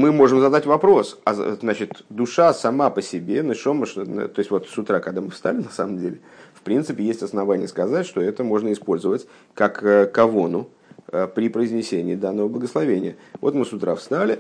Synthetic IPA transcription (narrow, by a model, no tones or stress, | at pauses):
mɨmo̞ʐɨmzɐd̪atʲvɐpɾo̞sa̰znat͡ɕɪt̪d̪ʊʂasɐmapəsʲɪbʲe̞nɨʂoməʂən̰t̪o̞ɪsʲvo̞t̪sʊt̪ɾakɐɡd̪amɨfst̪a̰lʲɪnɐsaməmdʲelʲɪfpɾʲint̪sɨpʲɪjesʲtʲɐsnɐvanʲɪjəskɐzatʲʂt̪o̞ɛt̪əmo̞ʐnəɪspo̞lʲzəvətʲ | kakəkːɐvo̞nʊ | əpɾʲɪpɾəɪzʲnʲɪsʲenʲɪːd̪anːəvəblˠəɡəslˠɐvʲenʲɪ̰jəvo̞t̪mɨsʊt̪ɾafst̪alʲɪ